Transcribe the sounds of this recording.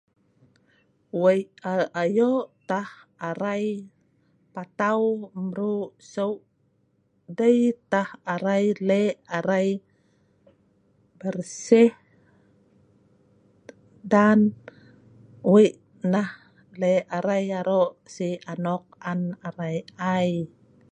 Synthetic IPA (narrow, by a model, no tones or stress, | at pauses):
wəjʔaʔajoʔt̪ahaɾaj | pat̪awməɾuʔsəwʔ | dəjt̪ahaɾajleaɾaj | bərsɛh | dan | weʔ | nah | leaɾajaɾoʔsianɔk̚anaɾajaj